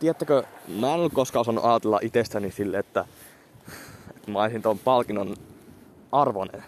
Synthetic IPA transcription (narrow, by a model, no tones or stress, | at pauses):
t̪iæt̪ːækømæːˑenolkkoskɑˑosɑnːṵʔɑːt̪elːɑ̰ʔit̪est̪ænisilːet̪ːæ | et̪mɑisint̪ompɑlkinːon | ɑrʋonḛn